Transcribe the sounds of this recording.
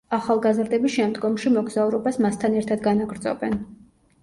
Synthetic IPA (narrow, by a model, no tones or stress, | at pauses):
aχalˠɡazɾd̪ɛbisʃɛmd̪ɡɔmʃimɔɡzauɾɔbasmast̪ʰanɛɾt̪ʰad̪ɡanaɡɾd̪zɔ̰bɛn